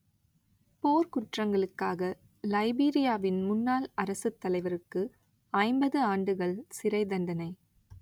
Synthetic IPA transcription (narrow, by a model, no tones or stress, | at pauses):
poːɾkʊʈrɐŋɡɐɭɯkːaːɣɐ | lɐɪbiːɾɪjaːʋɪnmʊnːaːlɐɾɐsɯt̪ːɐlɐɪʋɐɾɯkːɯ | ɐɪmbɐðɯaːɳɖɯɣɐɭsɪɾɐɪd̪ɐɳɖɐnɐɪ